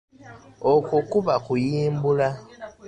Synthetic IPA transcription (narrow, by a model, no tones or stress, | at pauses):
okukuβakujiːmbula